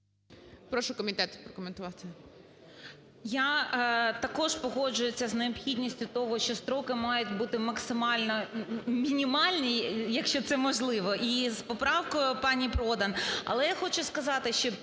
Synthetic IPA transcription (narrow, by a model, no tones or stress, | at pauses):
pɾɔʃʊkɔmʲɪt̪ɛt̪pɾɔkɔment̪ʊʋɑt̪ | ja | t̪ɐkɔʃpɔɦɔd͡ʒʊjʊt͡sʲːɐzneɔpxʲidʲnʲisʲtʲʊt̪ɔɦɔʃt͡ʃɔst̪ɾɔkɪmɑjʊtʲbut̪ɪmɐksɪmɑlʲnɔmʲinʲimɑlʲnʲijɐkʃt͡ʃɔt̪sɛmɔʒlˠɪʋɔʔispɔpɾɑwkɔjʊpɑnʲipɾɔd̪ɐnɐ̰lˠɛjaxɔt͡ʃʊskɐzɑt̪ɪʃt͡ʃɔ